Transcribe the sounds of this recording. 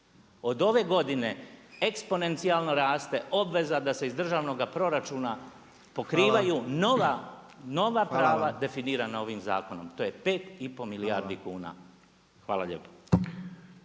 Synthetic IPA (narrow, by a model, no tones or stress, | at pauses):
o̞d̪o̞ʋe̞ɡo̞d̪ine̞ekspo̞ne̞nt̪sialˠnoɾaːst̪e̞ʔo̞bʋe̞zad̪ase̞izd̪r̩ʒaːʋno̞ɡapɾo̞ɾat͡ʃuːna | po̞kɾiːʋajuːnoʋa | no̞ʋapɾaːʋad̪e̞finiːɾanao̞ʋimza̰ːko̞no̞mt̪o̞je̞pe̞ːt̪ipo̞miliaɾd̪ikuːna̰ | xʋaːlaʎe̞̰ːpo̥